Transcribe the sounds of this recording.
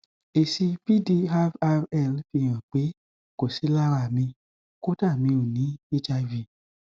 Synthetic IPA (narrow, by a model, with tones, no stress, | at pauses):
e˨si˧pi˦di˧a˧fa˧ɛ˦˨lfi˧j̃ã˨k͡pe˨˦ | ko˨si˨˦la˦˨wa˧˨mĩ˧ | ko˦ta˦˨mĩ˧o˨nĩ˨˦i˦t͡ʃa˧vi˧˨